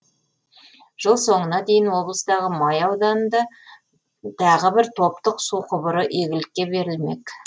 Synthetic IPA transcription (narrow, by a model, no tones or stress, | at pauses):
ʒ̥əlˠso̞ɴənɑd̪e̞jɪnwo̞blˠəst̪ɑʁəmɑjɑwd̪ɑnnd̪ɑ | t̪ʰɑʁəbɪɾt̪ʰo̞p̚t̪əqsuqʰʊbəɾəʔeɡʲɪlɪkʲːe̞be̞ɾɪlme̞̰k